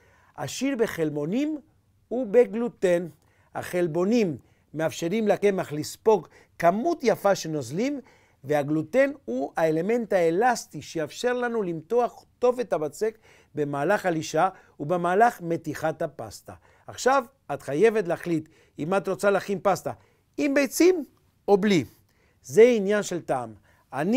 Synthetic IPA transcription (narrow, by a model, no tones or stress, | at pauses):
ʔa̰ʃiʁbe̞χe̞lbo̞nim | hube̞ɡluten | a̰χe̞lbo̞nimː | eafʃeʁimlake̞maχlispo̞ɡ | kamutjafaʃeno̞zlim | veaɡlut̪e̞nhuaele̞me̞ntaelast̪iʃejafʃe̞ʁlanulimt̪o̞aχto̞ve̞tabat͡se̞k | be̞maːlaχaliʃa | ubemaːlaχme̞tiχatapast̪a̰ː | χʃav | at̪χaje̞vetleaχlit̪ | imat̪ɾo̞t͡salaχinpast̪a | imbejt͡sim | o̞bli | zeinjanʃe̞ltaːm | an